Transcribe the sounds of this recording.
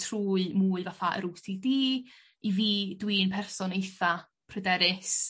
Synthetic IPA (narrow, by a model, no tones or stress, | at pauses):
tʰruːɨmuːɨvafaʔə̰ɾutidiː | iviːdwiːnpʰɛrsɔnejθa | pʰrədɛɾɪs